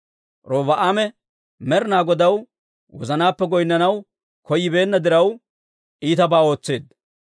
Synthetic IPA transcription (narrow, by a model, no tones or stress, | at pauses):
ɾoːvɐʔaːmɛ | mɛɾnaːɡɔd̪ɐw | wɔ̰zɐnaːpːɛɡɔjɪnːɐnɐw | kɔjːɪbe̞ːnːɐd̪ɪɾɐw | ʔiːt̪ɐbaːo̞ːt͡sːe̞ːd̪